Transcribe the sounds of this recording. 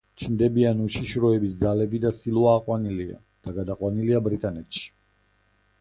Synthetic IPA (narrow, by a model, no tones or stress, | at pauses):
t͡ʃʰind̪ɛbianuʃiʃɾɔɛbisd̪zalɛbid̪asilˠuaːqʼwanilia̰ | d̪̥aɡad̪aqʼwaniliabɾit̪ʼanɛt̪ʃi̥